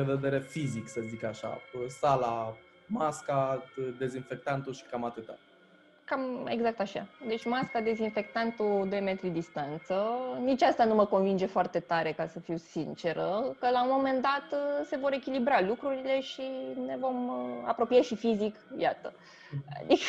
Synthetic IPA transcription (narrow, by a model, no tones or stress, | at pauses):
ved̪e̞ɾe̞fiziksəzikaʃa̰sala | maskad̪e̞zinfe̞kt̪ant̪uʃi̥kamat̪ɨt̪a̰ | kame̞̰ɡzak̚t̪aʃa̰d̪e̞t͡ʃʲmaskad̪e̞zinfe̞k̚t̪ant̪ud̪ojme̞t̪ɾid̪ist̪ant̪sənit͡ʃʲast̪anuməko̞nvind͡ʒe̞foart̪e̞t̪aɾe̞kasəfiwsint͡ʃe̞ɾəkəlaumo̞me̞nd̪at̪se̞vo̞ɾe̞kʲilibɾalukɾuɾile̞ʃine̞vo̞ma̰pɾo̞pijeʃifizikjat̪ə | a̰d̪ik